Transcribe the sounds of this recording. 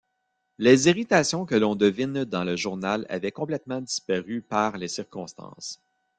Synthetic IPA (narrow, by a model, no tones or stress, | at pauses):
leːziʁit̪aːsjɔ̃kəlɔ̃d̪əvɪnd̪ɑ̃ləʒuʁnala̰vɛkɔ̃plɛt̪mɑ̃d̪ispaʁypaʁlesiʁkɔ̃st̪ɑ̰̃ːs